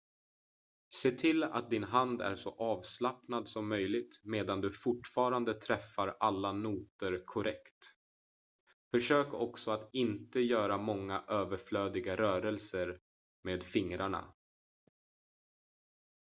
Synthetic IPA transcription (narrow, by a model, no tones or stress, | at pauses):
seːt̪ʰɪla̰t̪̚d̪ɪnɦand̪æ̰ɾʂɔ̰ʔɑːvslapnad̪sɔmːœjlɪɡ̚t̪meːd̪and̪ɵfʊʈfɑːɾand̪ət̪ʰɾɛfːaɾalːanuːt̪əɾkʰʊɾʔɛkt̪ | fœʂøːkɔksɔat̪ɪnt̪əjœːɾamɔŋːaʔøːvəɾfløːd̪ɪɡaɾœːɾɛlsəɾ | meːd̪fɪŋɾaɳa̰